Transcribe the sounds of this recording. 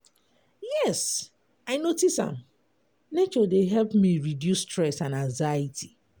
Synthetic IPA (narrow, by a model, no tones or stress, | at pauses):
jɛs | aɪnotisã̰m | net͡ʃɔdeɦɛlpmiɹidjusːtɹɛsãnãŋzaitʰi